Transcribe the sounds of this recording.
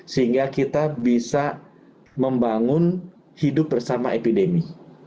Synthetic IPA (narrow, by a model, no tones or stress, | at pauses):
səɦiŋɡakit̪abisa | məmbaŋʊn | hidʊp̚bərsamaepidemi